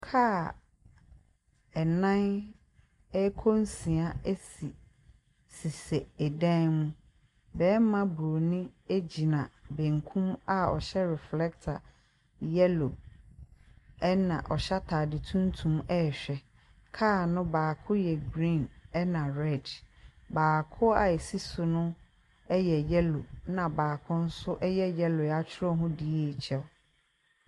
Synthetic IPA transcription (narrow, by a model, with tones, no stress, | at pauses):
kʰaː˦ | ɛ˨nã˦n | ɛ˦kʰo˦n̩˦sĩ˨a˨e˦si˨ | si˨sɛ˨ɛ˨dã˦nmũ˦ | bɛː˨˦mã˦bɾo˨nɪ̃˦e˦d͡ʑi˨nã˨bẽ˨ŋ˨kʰũ˦ma˦ɔ̰˨ɕɛ˦ɾɛ˨flɛ˦k̚tʰa̰˨ | jɛ˦lo˨ | ɛ˦nã̰˨ʔɔ˨ɕa˦tʰaː˨dɪ˨tʰũ˦ntʰũ˦mɛ˦˨ɕᶣɛ˨ | kʰaː˦˨nʊ̃˦baː˨kʰʊ̃˦jɛ˨ɡɾĩ˦˨nɛ˦nã˨ɾɛ˦˨d | baː˨kʰʊ˦a̰˨e˨si˦sʊ˨nʊ̃˦ | ɛ˦jɛ˨jɛ˦lo˨nã˨baː˨kʰʊ̃˦n̩˦sʊ˦ʔɛ˦jɛ˦jɛ˦lʊ˨a˦t͡ɕʰɪ˦ɾɔ˦ɦʊ̃˦di˦e˦˨t͡ɕʰɛ˦